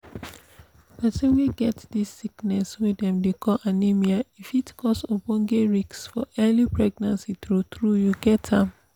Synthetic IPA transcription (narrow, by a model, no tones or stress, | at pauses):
basẽnwiɡɛtdisːiknɛswidɛ̃mdekʰɔʔanimiaifitkʰɔsopɔ̃nɡeɹiksfɔɛlipɹɛɡnãnsitɹutɹujuɡɛtʰãm